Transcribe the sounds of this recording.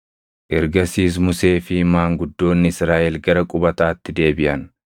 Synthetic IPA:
ʔɛɾɡɐsiːs̬mʊse̞ːfɪmaːŋɡʊd̪ːo̞ːnːɪɪsɾaːʔɛlɡɐɾɐkʼʊbɐt̪aːt̪ːɪd̪e̞ːbɪʔɐn

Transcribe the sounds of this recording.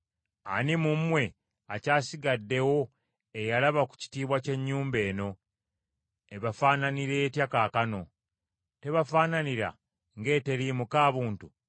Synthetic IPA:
a̰nimum̩we̞ | acaːsiɡadːe̞wo̞ | ejalaβaku̥ci̥tiːβwace̞ɲːuːmbe̞ːno̞ | eβafaːnaniɾe̞ːtjakaːkano̞ | te̞βafaːnaniɾa̰ | ŋɡe̞ːte̞ɾiːmukaːβuːntu

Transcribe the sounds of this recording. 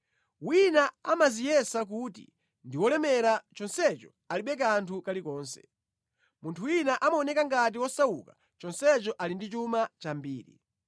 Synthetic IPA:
winaamazijɛsak̬uːtḭ | ndiwɔlɛmɛɾat͡ʃɔnsɛt͡ʃɔ̥ | aliɓɛk̬antʰukalikɔːnsɛ̥̰ | muntʰuwinaʔamaɔnɛkaŋɡat̬iwɔsawukḁ | t͡ʃɔnsɛt͡ʃɔʔalindit͡ʃumat͡ʃambiːɾḭ

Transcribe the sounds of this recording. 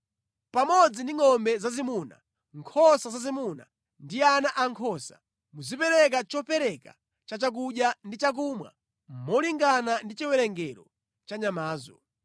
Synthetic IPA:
pamɔd͡zindiŋɔmbɛzazimuna | ŋkʰɔsazazimuna̰ | ndianaʔaŋkʰɔsḁ | muzipɛɾɛk̬at͡ʃɔpɛɾɛka̰ | t͡ʃat͡ʃak̬uɗjandit͡ʃak̬umwa̰ | mmɔliŋɡanandit͡ʃiwɛɾɛŋɡɛɾɔ | t͡ʃaɲamaːzɔ̰

